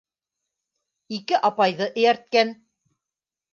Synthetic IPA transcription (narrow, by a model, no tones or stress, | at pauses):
ikɘʔɑpɑjðɤʔɘ̆jæɾt̪̚kæn